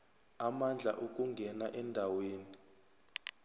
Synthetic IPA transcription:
amand͡ɮʱa̰ʔok̬ʼuŋɡʱɛnaʔɛndʱaweːni

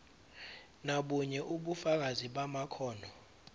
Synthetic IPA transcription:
naɓuɲɛʔuɓufak̬aziɓamakʰɔːnʱɔ

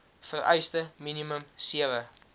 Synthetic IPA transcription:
fəɾɛ̰jstəminiməmsiəvə

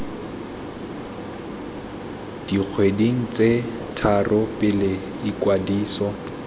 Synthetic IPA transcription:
d̥ik͡xʰwediŋ̩t͡se | tʰarʔʊpʼɪlɪ | ikwadiːsɔ

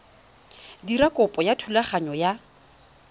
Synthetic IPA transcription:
dirakʼʊpʼɔjatʰulaχaɲɔja

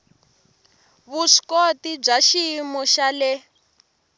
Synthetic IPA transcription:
βuʂkotib͡ʐaʃimɔʃalɛ

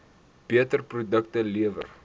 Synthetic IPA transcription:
piətərprudək̚təliəvə̰r

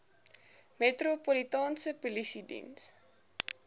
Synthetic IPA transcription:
metɾopolitɑːnsəpulisidḭns

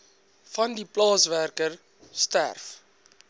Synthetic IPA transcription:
fɐndiplɑːsværkər | stæ̰rf

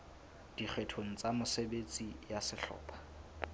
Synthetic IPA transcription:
d̥ik͡xʰwetʰoŋ̩t͡sʼamʊsebet͡sʼijasɪɬɔ̰ːpʰḁ

